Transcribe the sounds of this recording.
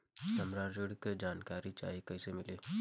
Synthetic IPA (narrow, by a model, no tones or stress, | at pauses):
sɐmɾaːɾd͡ʒoɽiked͡ʒaːnkaːɾit͡ʃa̰ːɦikɐisemɪleː